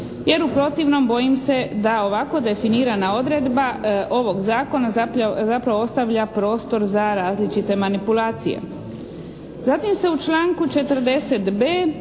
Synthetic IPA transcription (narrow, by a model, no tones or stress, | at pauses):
je̞ɾupɾo̞t̪iʋno̞mbo̞jimse̞d̪ao̞ʋako̞d̪e̞finiːɾanao̞d̪ɾe̞d̪baʔo̞ʋo̞ɡzaːko̞nazazapɾaʋoost̪aʋʎapɾo̞ːst̪o̞ɾzaɾaːzlit͡ʃit̪e̞manipulaːt̪sijḛ | zat̪imse̞ut͡ʃlˠaːŋkut͡ʃe̞t̪əɾd̪e̞se̞t̪beː